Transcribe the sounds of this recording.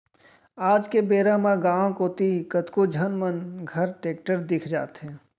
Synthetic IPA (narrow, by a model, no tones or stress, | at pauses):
aːd͡ʒkebeːɾaːmãɡãːkoːt̪ikət̪kod͡ʒʱənmənɡʱəɾʈeːk̚ʈəɾd̪ɪkʰd͡ʒa̰ːt̪ɦɛ̃ː